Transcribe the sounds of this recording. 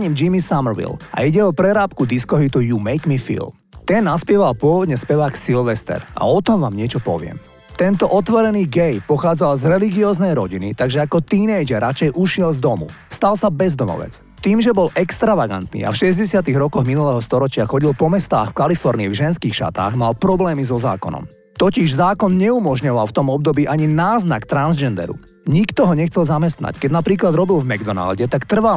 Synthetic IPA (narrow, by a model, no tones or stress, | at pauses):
ɲiːmd͡ʒimisamɾʋḭlʔa̰iɟɛɔpɾɛɾaːpkud̪iskɔɦit̪ujumɛjkmifḭːlˠ | t̪ɛnːaspɪɛʋalpʊɔʋɔd̪ɲɛspɛʋaːksilʋɛst̪ɛ̰ɾʔa̰ɔt̪ɔmʋaːmɲɪɛt͡ʃɔpɔ̰ʋɪɛ̰m | t̪ɛnt̪ɔʔɔt̪ʋɔɾɛniːɡɛjpɔxaːd͡zalzɾɛliɡiɔːznɛjɾɔɟinit̪aɡʒɛakɔt̪iːnɛjd͡ʒɛɾat͡ʃɛjʔuʃɪɛlzd̪ɔmṵ | st̪alsabɛzd̪ɔmɔ̰ʋɛ̰t͡s | t̪iːmʒɛbɔlʔɛkst̪ɾaʋaɡa̰nt̪nḭːa̰fʃɛzɟɛsɪat̪iɣɾɔkɔɣminulɛːɦɔst̪ɔɾɔt͡ʃɪaxɔɟilpɔmɛst̪aːxfkalifɔɾniivʒɛnskiːxʃa̰t̪a̰ːɣmalpɾɔblɛːmizɔza̰ːkɔ̰nɔ̰m | t̪ɔciʒzaːkɔnɲɛumɔʒɲɔʋalft̪ɔmɔb̚d̪ɔbiːʔaɲinaːzna̰kt̪ɾanzd͡ʒɛnd̪ɛ̰ɾṵ | ɲikt̪ɔɦɔɲɛxt͡sɛlzamɛst̪na̰ckɛɟnapɾiːklad̪ɾɔbilvmɛɡd̪ɔna̰lɟɛt̪akt̪r̩ʋa